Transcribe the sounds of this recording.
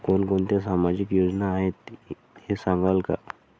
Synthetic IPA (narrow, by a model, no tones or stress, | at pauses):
koːnkoːnt̪es̬aːmad͡ʒɪkjoːd͡ʒnaɦet̪ | ɦesãŋɡalka̰